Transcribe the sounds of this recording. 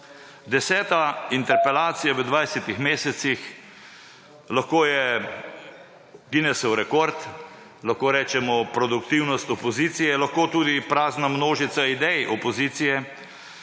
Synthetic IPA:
d̪ɛsɛːt̪aint̪ɛɾpɛlaːt̪sijaʋəd̪ʋajsɛt̪ixmeːsɛsix | laxkoːjɛ | ɡinɛsɛwɾɛkoɾt̪ | laxkoːɾɛːt͡ʃɛmɔpɾɔd̪ukt̪iwnɔst̪ɔpɔziːt̪sijɛlaxkoːt̪uːd̪ipɾaːznamnoːʒit̪said̪ɛjʔɔpɔziːt̪sijɛ

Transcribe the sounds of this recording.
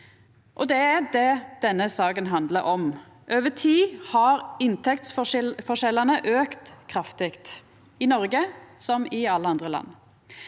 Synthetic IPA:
ʔɔd̪ɛæd̪ɛd̪̥ɛnːəsɑːkənɦɑnd̪ləɾɔm | ʔøːʋət̪ʰiːhɑɾɪnt̪ʰɛk̚t̪sffɔʂɛlːɑnəʔøːkt̪kʰʁɑft̪ɪkt̪ | ɪnɔɾɡəsɔmɪɑlːəɑnd̪ʁəlɑ̰nː

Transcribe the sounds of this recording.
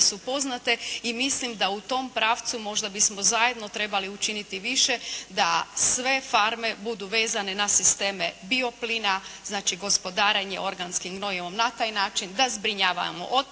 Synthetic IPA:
supo̞znat̪e̞imislimd̪aut̪o̞mpɾaːʋt̪sumo̞ʒd̪abismo̞zaje̞d̪no̞t̪ɾe̞baliut͡ʃinit̪iʋiʃe̞d̪asʋe̞faɾme̞bud̪uʋe̞ːzane̞nasist̪e̞ːmebio̞pliːnaz̥naːt͡ʃiɡo̞spo̞d̪aːɾeɲe̞̰ʔo̞ɾɡanskimɡno̞jemo̞mnat̪aːjnaːt͡ʃind̪azbɾiɲaːʋa̰mo̰ʔo

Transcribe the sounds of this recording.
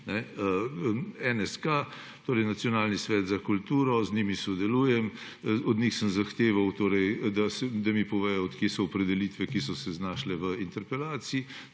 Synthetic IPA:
nɛ | ɛnɛska | t̪oːɾɛjnat̪sijɔnaːlnisʋɛːd̪zakult̪uːɾɔzniːmisɔd̪ɛluːjɛm | ɔd̪nixsəmzaxt̪eːʋawt̪oːɾɛjd̪asɛd̪amipɔʋɛːjɔɔt̪kjesɔːpɾɛd̪ɛliːt̪ʋɛkisɔsɛznaːʃlɛʋəint̪ɛɾpɛlaːt̪sii

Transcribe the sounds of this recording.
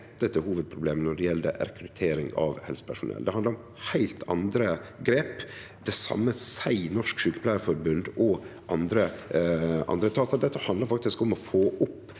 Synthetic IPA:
t̪ːət̪əhuːʋəd̪̚pʰɾʊbleːmnɔɖɛjɛld̪ə̰ɾɛkʰɾʉt̪ʰeːɾɪŋɑ̰ʋhɛ̰lsə̥pʰæʂʊnʔɛ̰ld̪ɛhɑnd̪əɾʊm | hæɪlt̪ʰɑ̰nd̪ɾəɡɾeːpd̪ɛsɑ̰mːəsæɪnɔʂkʃʉːkə̥pʰlæɪəfɔɾbʉnd̪ɔʔɑnd̪ɾə | ʔɑ̰nd̪ɾət̪ʰɑːt̪ɑɾd̪ɛt̪ːəhɑnd̪ləɾfɑk̚t̪ɪskʊmɔfoːʔʊpː

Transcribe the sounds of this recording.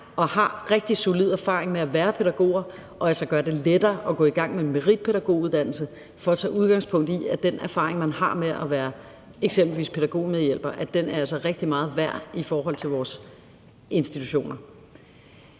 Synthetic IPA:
ʔɒ̽hɑ̈ʁeɡ̥̚d̥isolið̞̰ˠæɐfɑ̈ːʁeŋmeæʋæːɐpʰe̝ɾ̥æɡ̥o̝̰ːɐ | ʔɒ̽ælsɐɡ̥ɶːɐd̥e̝led̥ɐːʔɒ̽ɡ̥ɔ̰̽ːiɡ̥ɑ̈ŋ̰menmeʁid̥̚pʰe̝ɾ̥æɡ̥o̝̰ːuðˠd̥æn̰l̩sə | fɒ̽ːt͡sʰɛ̰ːuðˠɡ̥ɑ̈ŋspʰɔ̽ŋ̰d̥iæd̥enʔæɐfɑ̈ːʁeŋmænhɑ̈meæʋæːɐ | eɡ̥semb̥l̩ʋḭːspʰe̝ɾ̥æɡ̥o̝̰ːmeð̞ˠjel̰b̥ɐʔæd̥enæɐæl̰sɐʁeɡ̥̚d̥imɑ̈ːð̞̩ˠʋæɐ̰ifɒːɦɒ̽l̰t͡sʰe̝lʋɒːs | e̝nsd̥it͡sʰuɕo̝̰ːnɐ

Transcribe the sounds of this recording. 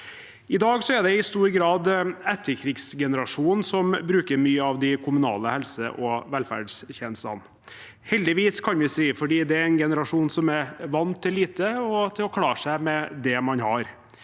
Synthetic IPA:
ɪd̪ɑːɡsɔæd̪ɛɪst̪uːɾɡɾɑːd̪ɛt̪ʰːəɾkʰɾɪɡsɡɛnəɾɑʂuːnnsɔmbɾʉːkəɾmyːəɑʋd̪ɪkʰʊmʉnɑ̰ːləhɛlsə̰ʔɔʋɛlfæ̰ɖsçɛnsɑ̰n | hɛld̪ɪʋiːskʰɑnʋɪsiːfɔɖiːd̪ɛæɾɛnɡɛnəɾɑʂuːnsɔmæɾʋɑnːt̪ʰːɪlːiːt̪əɔt̪ʰɪlɔkʰlɑːʂæɪmɛd̪ɛmɑnhɑɾ

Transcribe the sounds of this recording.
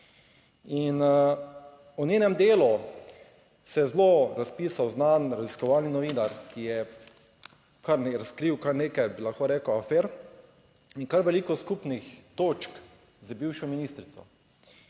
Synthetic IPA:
in | ɔnʲeːnɛmd̪eːlu | sɛjɛzloɾaspiːsawznanɾaziskɔʋaːlninɔʋiːnaɾkʰijɛ | kaɾnɾaskɾiwkaɾneːkajbilaxkoɾɛːkoafɛːɾ | inkaɾʋɛliːkɔskupnixt̪oːt͡ʃk | zabiwʃɔminiːst̪ɾit̪sɔ̰

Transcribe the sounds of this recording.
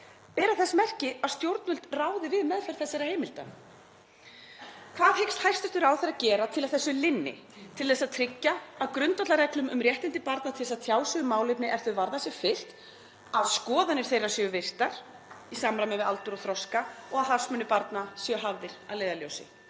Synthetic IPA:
pɛːɾaθɛsːmɛr̥cɪaðst̪jowɾt̪̚nʏlt̪raːwðɪvɪðmɛðfɛɾ̥θɛsːɛɾaheːjmɪlt̪a̰ | kʰv̥aːðhejkst̪hajr̥st̪ʏst̪ʏɾawθeɾacɛːɾat̪ʰɪlaðθɛsːʏlɪnːɪ̰ | t̪ʰɪlθɛsaðt̪ʰɾɪcːaaðkɾʏnt̪at̪laɾɛklʏmʏmrjɛht̪ɪnt̪ɪpaɾt̪nat̪ʰɛsaðt̪ʰjaːwsʏɣʏmːaːwlɪjpnɪʔɛɾ̥θʏvaɾðasjɛfɪl̥t̪ | aðskɔːðanɪɾ̥θejrasjœʏvɪr̥t̪aɾ̥ | isamɾamɛmɪða̰lt̪ʏɾɔθɾɔskaɔɣaðθḁsmʏnɪpaɾt̪nasjœɦavðɪɾ̥aðleːjðaljowsɪ̰

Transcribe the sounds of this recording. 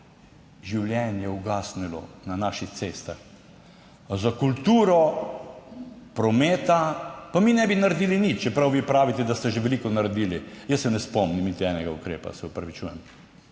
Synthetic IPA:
ʒiwljɛnjɛuɡaːsnilɔ̰nanaʃixt̪seːst̪ax | zakult̪uːɾɔ | pɾɔmeːt̪apaminɛbinaɾed̪iːlinit͡ʃt͡ʃɛpɾawʋiːpɾaːʋit̪ɛd̪ast̪ɛʒeʋɛlikɔnaɾed̪iːlijəsːɛnɛspɔmnimnit̪iɛnɛɡaukɾeːpa̰sɛɔpɾɐʋit͡ʃuːjɛm

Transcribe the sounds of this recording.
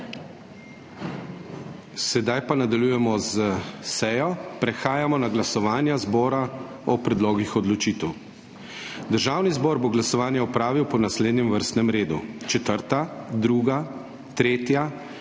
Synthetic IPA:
sɛd̪ajpanad̪aljujɛmɔzəsɛjɔpɾɛxaːjamɔnaɡlasɔʋaːnjazbɔːɾa | ɔpɾɛd̪loːɡixɔd̪lɔt͡ʃiːt̪ɛw | d̪əɾʒawnizbɔːɾboɡlasɔʋaːnjɛɔpɾaːʋiwpɔnasleːd̪nɛmʋəɾst̪nɛmɾeːd̪ṵt͡ʃɛt̪əɾt̪ad̪ɾuːɡa | t̪ɾeːt̪ja

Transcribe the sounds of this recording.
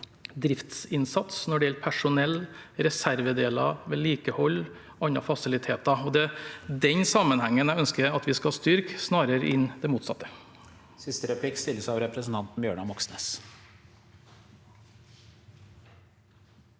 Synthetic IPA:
d̪ɾɪft̪sɪnsɑt̪snɔɖɛjɛlpʰæʂʊnɛlːɾɛsæɾʋəd̪eːlɑ̰ʋeːliːkəhɔlː | ɑnːɑ̰fɑsɪlɪt̪ʰeːt̪ɑɔd̪ɛd̪ɛnsɑmənhæŋːənæœnskəɑt̪ʋɪskɑhɑst̪ʏɾksnɑːɾəɾəʔɪnːd̪ɛmuːt̪sɑt̪ːə̥ | sɪst̪əɾɛpʰlɪkst̪ɪlːəsɑʋɾɛpɾəsn̩t̪ɑnt̪n̩bjøːɳɑmɔksneːs

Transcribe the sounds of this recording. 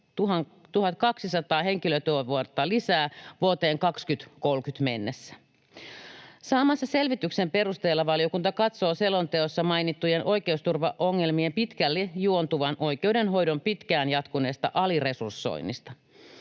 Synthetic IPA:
t̪uɦɑ | t̪uhɑt̪kɑksisɑt̪ɑːɦe̞ŋkiløt̪øøʋuot̪ːɑlisæːʋuot̪eːŋkɑkskyt̪kolkyt̪mḛnːesːæ̥ | sɑːmɑsːɑse̞lʋit̪yksempe̞rust̪eːlːɑʋɑljo̞kunt̪ɑkɑt̪so̞ːselont̪eosːɑmɑjnit̪ːujenʔo̞jke̞ust̪urʋɑʔoŋːe̞lmiempit̪kælːejuont̪uʋɑnʔo̞jk̟e̞udenɦo̞jdo̞mpit̪kæːnjɑt̪kuneːst̪ɑʔɑlire̞sursːo̰inːḭst̪ɑ̥

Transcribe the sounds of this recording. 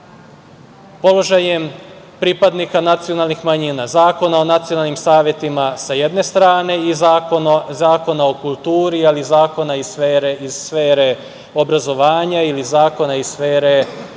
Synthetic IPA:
po̞lo̞ʒajem | pɾipad̪nikanat̪sio̞nalˠnixmaɲiːnazaːko̞nao̞nat̪sijo̞nalnimsaːʋje̞t̪imasaje̞d̪ne̞st̪ɾaːne̞izaozaːko̞nao̞kulˠt̪uːɾializaːko̞naisfeɾeizsfeːɾe̞ | o̞bɾazo̞ʋaːɲailizaːko̞naisfeːɾe̞

